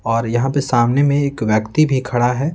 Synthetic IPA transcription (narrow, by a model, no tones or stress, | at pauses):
ɔːɾjɐɦãpesaːmnemẽeːkʋjəkt̪ibʱikʰɐɽaɦɛː